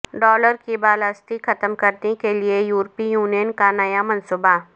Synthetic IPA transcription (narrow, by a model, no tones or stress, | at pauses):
ɖɔːləɾkibaːləst̪ixɐt̪əmkɐɾnekeliejuːɾpijuːnijənkanɐjamɐ̃nsuba